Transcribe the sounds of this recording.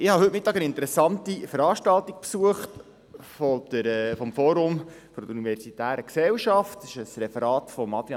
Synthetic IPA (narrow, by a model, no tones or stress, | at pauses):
ɪhɑɦɵtmɪtːɑːɡənɪntəɾɛsɑntifəɾɑːʃtɑltik̚psuəχt | fɔd̪̥əɾɛfɔmfɔːɾʊm | fɔɾdəunivɛɾsitæːɾəksɛlʃɑftɪʃəsɾɛfəɾɑːtfɔmːɑt̪iɑ